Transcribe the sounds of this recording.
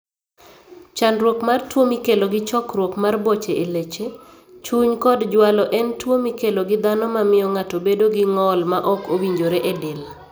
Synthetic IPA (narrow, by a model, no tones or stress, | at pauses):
t͡ʃanɾwokmartwomikeloɡɪt͡ʃɔkɾwokmarbot͡ʃeʔelet͡ʃe | t͡ʃuɲkɔdd͡ʒwalɔʔɛntwomikeloɡɪd̪anɔmamɪjɔŋatobedoɡɪŋɔlmaʔɔkowiɲd͡ʒoɾeʔedɪl